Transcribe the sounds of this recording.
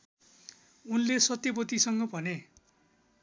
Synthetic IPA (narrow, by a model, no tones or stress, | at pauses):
unlesʌt̪jʌpʌt̪isʌŋɡʌbʱʌne